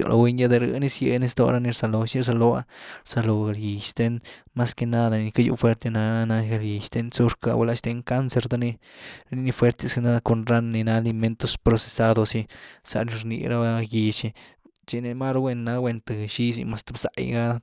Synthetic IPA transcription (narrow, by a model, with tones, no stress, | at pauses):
jo̰˧lʔa̰˧we˧ɲja˦d̪e˧ɾɨ̰˧ni˦sje˧ni˧˦st̪o̰˧ɾa˦ni˧ɾsa˧lo˨ʃi˦ɾs̬a˧lo˧a̰˦ɾsa˧lo˨a˨lji˨ʃt̪e˧n | ma˦ske˧na˦d̪a˨ni˨˧ka˦jṵ˧fwe˦ɾt̪e˧na˧na˧ɡe˧lɡi˨ʃt̪e˧˦nt͡su˦ɾka̰˧we˧la˧˦ʃt̪e˧ŋka˦nse˧ɾd̪a˧ni˧ni˧ni˧fwe˧ɾt̪e˧ske˧na˦d̪a˧ko˧nɾa˦n˧ni˧na˧˦li˧me˦nt̪o˧spɾo˧se̥˧sa˧d̪o˧si˧sa̰˧ni˧ɾnḭ˧ɾa˦a˧ji˧t͡ʃi˧ | t͡ʃi˧ne˧ma˦ɾo˧we˧nːa˧wʷe˧nt̪ɨ˨ʃi˦sḭ˧ma˧st̪a˧bsa̰˨˧jɡa˦